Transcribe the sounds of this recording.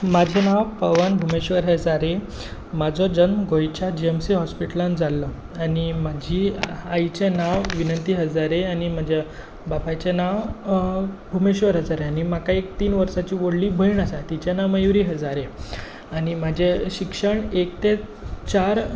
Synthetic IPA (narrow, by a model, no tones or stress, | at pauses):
mad͡ʑʱenaʋpəʋanbʱumeɕʋəɾɦəd͡zaɾe | mad͡zʱɔd͡zənɡʱojt͡ɕjad͡ʑiemsiɦɔspiʈəland͡zalːə | animad͡ʑʱiːajt͡ɕenaʋʋinənt̪iːɦəd͡zaɾeañim̤ad͡ʑʱa | bapat͡ɕenaʋ | bʱumeɕʋəɾɦəd͡zaɾeañimakaek̚t̪iːnʋəɾsat͡ɕiːʋoɽlibʱəiɳasat̪it͡ɕenaʋməjʋɾiːɦəd͡zaɾe | añimad͡ʑʱeɕikʂəɳekt̪et͡ɕaɾ